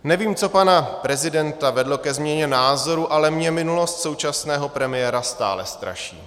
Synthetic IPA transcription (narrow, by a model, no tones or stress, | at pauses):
nɛviːmt͡so̞panapɾɛzɪdɛnt̪avɛdlo̞kɛzmɲɛɲɛnaːzo̞ɾuʔalɛmɲɛmɪnulo̞st̪so̞wt͡ʃasnɛːɦo̞pɾɛmɪjɛɾast̪a̰ːlɛst̪ɾa̰ʃḭː